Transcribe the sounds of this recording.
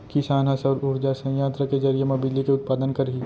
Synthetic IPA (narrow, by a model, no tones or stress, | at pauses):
kɪsaːnɦasɐɾʊɾd͡ʒasɐ̃jaːt̪ɾakezɐɾijemɐbilːikeʊt̪̚paːd̪ənkɐɾɦiː